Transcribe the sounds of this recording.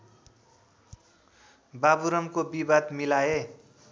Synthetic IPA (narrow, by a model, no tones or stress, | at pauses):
babuɾʌmkobibad̪milaje